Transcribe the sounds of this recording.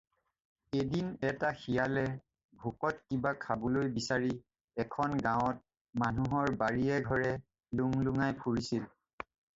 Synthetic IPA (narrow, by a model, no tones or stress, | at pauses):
edinɛtaxijalɛ | bʱukɔtkibakʰabɔlojbisaɹi | ɛkʰɔnɡãʊɔt̚ | manuɦɔɹbaɹiɛɡʱɔɹɛ | luŋluŋajpʰuɹisil